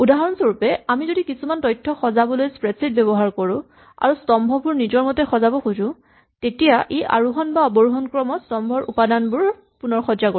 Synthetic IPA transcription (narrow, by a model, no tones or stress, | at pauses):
udaɦɔɹɔnsoɹupɛamizodikisumantɔjtʰːɔxɔzabɔlojspɹɛtsit̚bɛbɔɦaɹkoɹʊ̃ | a̰ɹustɔmbʱɔbʊɹnizɔɹmɔtɛxɔzabɔxuzʊ̃ | tetijaʔeʔa̰ɹuɦɔnbaɔbɔɹuɦɔnkɹɔmɔstɔmbʱɔɹʔupadanbʊɹ | punɔɹxɔzako